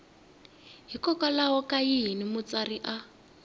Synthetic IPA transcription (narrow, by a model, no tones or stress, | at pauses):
ɦikɔkalaɦɔkajiɦinimʊt͡sariʔa